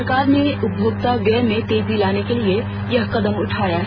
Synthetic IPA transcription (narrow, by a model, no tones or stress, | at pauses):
ɾkaːɾneʊbʱʊɡ̚t̪aʋjɛɦmẽt̪eːd͡ʒilaːnekelie | jɐɦkɐd̪əmʊʈʰaːja